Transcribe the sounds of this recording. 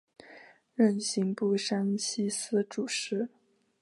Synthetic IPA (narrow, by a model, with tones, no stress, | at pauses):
ɻə˥˩nɕi˧˥ŋpu˥˩ʂa˥nɕi˥sɹ̩˥ʈ͡ʂu˨˩ʂɻ̩˧˥